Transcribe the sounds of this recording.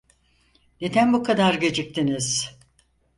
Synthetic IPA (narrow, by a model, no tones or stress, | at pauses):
ned̪ænbukʰad̪aɾɟe̞d͡ʒic̚t̪ʰiniz̥